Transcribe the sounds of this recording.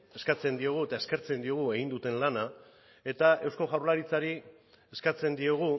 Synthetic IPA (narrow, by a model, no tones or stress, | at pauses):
e̞skat͡se̞nd̪io̞ɣ̞ue̞t̪ae̞ske̞ɾt͡se̞nd̪io̞ɣ̞ue̞ɣ̞ind̪ut̪e̞nlana | e̞t̪ae̞wsko̞ɣawɾlaɾit͡saɾi | eskat͡se̞nd̪io̞ɣ̞u